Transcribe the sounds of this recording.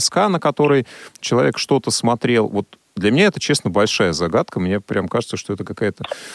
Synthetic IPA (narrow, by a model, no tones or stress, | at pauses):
skanəkɐt̪o̞ɾəjt͡ɕɪlˠɐvʲe̞kʂt̪o̞t̪əsmɐt̪ɾʲe̞lˠvo̞t̪̚ | d̪lʲɐmʲɪnʲaɛt̪ət͡ɕesnəbɐlʲʂajəzɐɡat̪̚kəmnʲepɾʲamkaʐɨt̪səʂt̪o̞ɛt̪əkɐkajət̪ə